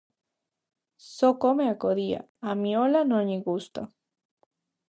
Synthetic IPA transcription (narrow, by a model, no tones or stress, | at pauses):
sokomeakoðia̰ | amiolanoɲiɡust̪a̰